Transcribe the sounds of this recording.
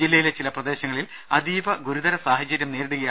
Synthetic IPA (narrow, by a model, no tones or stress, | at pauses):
d͡ʑilːɐjile̞t͡ɕilɐprɐd̪e̞ːɕɐŋːɐɭil | ɐd̪iːʋɐɡuɾud̪ɐɾɐsaːɦɐt͡ɕːɐɾʲjɐmne̞ːɾiɽuɣɐj